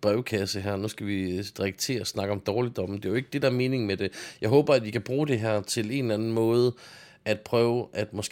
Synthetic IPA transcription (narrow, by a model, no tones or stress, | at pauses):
b̥ʁɛʊkʰæsəɦæɐ̰nusɡ̥æʋid̥ʁɛɡ̥̚t͡sʰe̝̰ːɐɒsnɑ̈ɡ̥əɒ̽md̥ɒːlid̥ɒ̥̽m̩d̥e̝joe̝ɡ̥d̥e̝d̥ɑ̈æɐme̝ːne̝ŋmed̥e̝jɑ̈ɪɦɔ̽ːb̥ɐæd̥ʋikʰæb̥ʁuːd̥e̝ɦæɐ̰t͡sʰe̝le̝nlænn̩mɔ̽ːð̞̩ˠ | æd̥̚pʰʁœːʊʔæd̥mɒ̽sɡ̥